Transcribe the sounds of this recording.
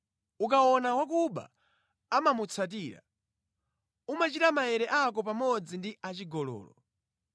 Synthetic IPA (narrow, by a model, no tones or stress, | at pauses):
uk̬aɔnawakuɓa̰ː | mamut͡sʰat̬iːɾa̰ | umat͡ʃitamajɛɾɛʔak̬ɔpamɔd͡zindiʔat͡ʃiɡɔlɔ̰ːlɔ̰